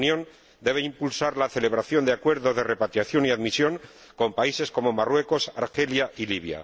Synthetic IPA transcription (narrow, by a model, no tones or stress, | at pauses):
njõ̞n | d̪e̞βeimpulsaɾlaθe̞le̞β̞ɾaθjo̞nd̪eakwe̞ɾðo̞zðe̞re̞pat̪ɾjaθjo̞niaðmisjo̞ŋ | ko̞mpaise̞sko̞mo̞marwe̞ko̞saɾxe̞ljaʔiliβ̞ja̰